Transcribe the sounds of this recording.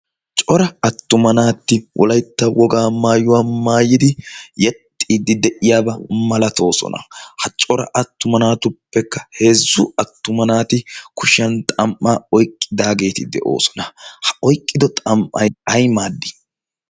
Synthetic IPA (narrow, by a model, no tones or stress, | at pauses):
t͡ʃʼɔɾɐɐt̪ːʊmɐnaːt̪ːɪwʔɔ̰lɐjt̪ːɐwʔɔɡaːmaːjʊwaːmaːjɪd̪ɪjɛt̪ʼːid̪ɪd̪ɛʔɪjaːbɐmɐlɐt̪o̞ːsɔ̰nɐ̰hɐt͡ʃʼɔɾɐ̰ʔɐt̪ːʊmɐnaːt̪ʊpːɛkːɐ̥he̞ːzːʊɐt̪ːʊmɐnaːt̪ɪkʊʃɐnt̪ʼɐmʔːaːɔjkʼːɪd̪aːɡe̞ːt̪ɪd̪ɛ̰ʔo̞̰ːsɔ̥nɐhɐ̥ʔɔjkʼːɪd̪ɔt̪ʼɐmʔʔɐ̰jɐjmaːd̪ːɪ̥